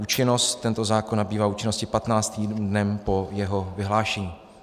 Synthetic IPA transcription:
uːt͡ʃɪno̞st̪ːɛnt̪o̞zaːkonːabiːvaːuːt͡ʃɪnoscɪpat̪naːt͡st̪iːdnɛmpo̞jɛɦo̞vɪɦlaːʃɛɲiː

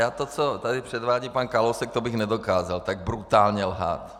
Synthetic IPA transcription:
jaːt̪ot͡sot̪adɪpr̝̥ɛd̪vaːɟiːpankalowsɛk̚t̪obɪxnɛdokaːzalt̪aɡ̚bɾut̪aːlɲɛlɦa̰ːt̪

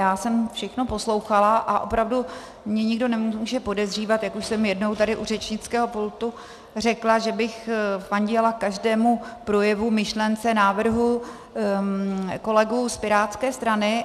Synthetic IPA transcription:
jaːsɛmfʃɛxno̞po̞slo̞wxalaʔaʔo̞̰pɾavdu | mɲɛɲɪɡdo̞nɛmuuːʒɛpo̞dɛzr̝iːvat̪jakuʃsɛmjɛdnowt̪adɪʔurɛt͡ʃɲɪt͡skɛːɦo̞pult̪u | r̝ɛklaʒɛbɪxfaɲɟɛlakaʒdɛːmupɾo̞jɛvumɪʃlɛnt͡sɛnaːvr̩ɦu | ko̞lɛɡuspɪɾaːt̪skɛːst̪ɾanɪ

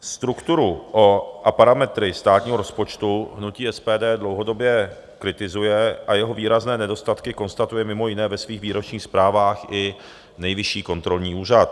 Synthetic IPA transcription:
st̪ɾukt̪uɾuʔoʔapaɾamɛt̪ɾɪst̪aːt̪ɲiːɦoɾo̞spo̞t͡ʃt̪uɦnuciːɛspɛːdɛːdlo̞wɦo̞do̞bjɛ | kɾɪt̪ɪzujɛʔajɛɦo̞viːɾaznɛːnɛdo̞st̪at̪kɪko̞nst̪at̪ujɛmɪmo̞jɪnɛːvɛsviːxviːɾo̞t͡ʃɲiːxspɾaːvaːxʔɪ | nɛjvɪʃiːko̞nt̪ɾo̞lɲiːʔuːr̝at̪

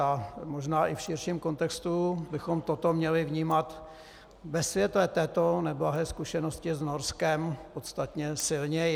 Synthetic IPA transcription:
amo̞ʒnaːʔɪfʃɪɾʃiːmko̞nt̪ɛkst̪ubɪxo̞mt̪ot̪o̞mɲɛlɪvɲiːmat̪ | vɛsvjɛt̪lɛt̪ɛːt̪o̞nɛblaɦɛːskuʃɛnoscɪznoɾskɛmpot̪st̪at̪ɲɛsɪlɲɛ

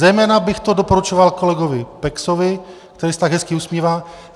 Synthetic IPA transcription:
zɛjmɛːnabɪxt̪o̞dopo̞ɾut͡ʃovalko̞lɛɡo̞vɪpɛksovɪ | kt̪ɛɾiːsɛt̪aɡɦɛskɪusmjiːvaː

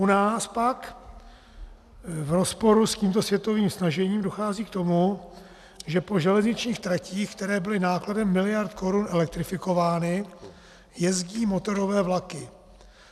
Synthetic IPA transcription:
ʔunaːspak | vɾo̞spo̞ɾusciːmt̪o̞svjɛt̪oviːmsnaʒɛɲiːmdo̞xaːziːk̚t̪o̞mu | ʒɛpo̞ʒɛlɛzɲɪt͡ʃɲiːxt̪ɾaciːxkt̪ɛɾɛːbɪlɪnaːkladɛmːɪlɪjaɾt̪ko̞ɾunɛlɛk̚t̪ɾɪfɪko̞vaːnɪ | jɛzɟiːmo̞t̪o̞ɾo̞vɛːvlakɪ

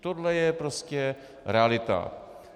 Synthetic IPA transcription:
t̪odlɛjɛpɾoscɛ | ɾɛalɪt̪a̰

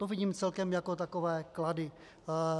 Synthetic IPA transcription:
t̪ovɪɟiːmt͡sɛlkɛmjakot̪akovɛːkladɪ

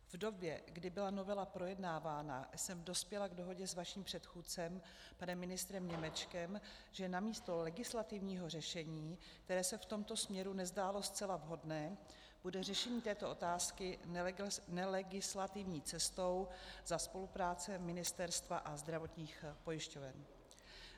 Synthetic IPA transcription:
vdo̞bjɛɡdɪbɪlano̞vɛlapɾo̞jɛdnaːvaːna̰sɛmdo̞spjɛlaɡdo̞ɦo̞ɟɛzvaʃiːmpr̥ɛt̪xuːtt͡sɛm | panɛmːɪnɪst̪ɾɛmɲɛmɛt͡ʃkɛm | ʒ̥ɛnamiːst̪o̞lɛɡɪslat̪ɪvɲiːɦo̞r̝ɛʃɛɲiː | kt̪ɛɾɛːsɛft̪o̞mt̪o̞smɲɛɾunɛzdaːlo̞st͡sɛlavɦo̞dnɛː | b̥udɛr̝ɛʃɛɲiːt̪ɛːt̪o̞ʔo̞t̪aːskɪ | nɛlɛɡɪslat̪ɪvɲiːt͡sɛst̪o̞wz̥aspo̞lupɾaːt͡sɛmɪnɪst̪ɛɾst̪vaʔazd̪ɾavo̞t̪ɲiːxpo̞jɪʃco̞vɛn

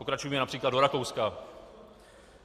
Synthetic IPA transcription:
okɾat͡ʃujɛmɛnapr̝̥iːklˠadoɾakowska

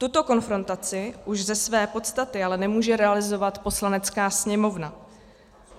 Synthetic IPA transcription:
t̪ut̪o̞ko̞nfɾo̞nt̪at͡sɪʔuʒzɛsvɛːpo̞t̪st̪at̪ɪalɛnɛmuːʒɛɾɛalɪzo̞vat̪po̞slanɛt͡skaːsɲɛmo̞vna

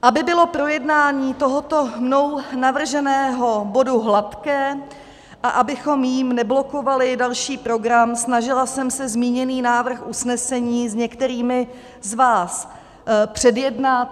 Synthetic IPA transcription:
ʔabɪbɪlo̞pɾo̞jɛdnaːɲiːt̪o̞ɦo̞t̪o̞mnownavr̩ʒɛnɛːɦo̞bo̞duɦlat̪kɛː | ʔaʔabɪxo̞mjiːmnɛblo̞ko̞valɪdalʃiːpɾo̞ɡɾamsnaʒɪlasɛmsɛzmiːɲɛniːnaːvr̩xʔusnɛsɛɲiːzɲɛkt̪ɛɾiːmɪ | zvaːs | pr̝̥ɛdjɛdnat̪̚

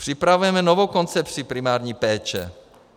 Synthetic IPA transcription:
pr̥ipɾavujɛmɛnɔʋoʊkɔnt͡sɛpsipɾimaːɾɲipɛːt͡ʃɛ̰

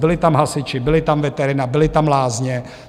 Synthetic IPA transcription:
bɪlɪt̪amɦasɪt͡ʃɪbɪlɪt̪amvɛt̪ɛɾɪnabɪlɪt̪amlaːzɲɛ

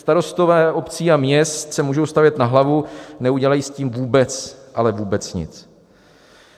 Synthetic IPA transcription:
st̪aɾo̞st̪ovɛːʔo̞pt͡siːamɲɛst̪sɛmuːʒowst̪avjɛt̪naɦlavunɛuɟɛlajiːsciːmvuːbɛt͡sʔalɛvuːbɛt͡sɲɪ̰t͡s

